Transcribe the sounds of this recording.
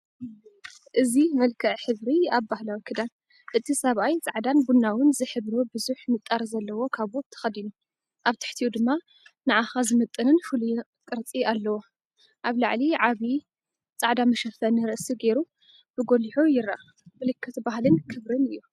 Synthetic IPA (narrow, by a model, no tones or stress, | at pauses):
ʔɨzimɐlkʰɐʔħɨβɾiaβbahlawikʰɨd̪an | ʔɨt̪ʰisɐβʔajt͡sʼaʕd̪anbunːawʊnzɨħɨβɾobɨzuħmɨt̪ʼːaɾzɐlːɐwo̞kʰaβok̚t̪ʰːɐ̥xɐd̪inu | ʔaβt̪ʰɨ̥ħt̪ʰiud̪ɨmːa | nɨʕaxazɨmɐt̪ʼːɨnɨnfɨluj | kʼɨɾt͡sʼialːɐwo | ʔaβlaʕliʕaβi | t͡sʼaʕd̪amɐʃɐfɐnɨɾɨʔsiɡe̞ɾu | b̥ɨɡo̞liħujɪɾa̰ | mɨlɨkʰːɐt̪ʰbaɦhlɨnkʰɨβɾɨnɨjːu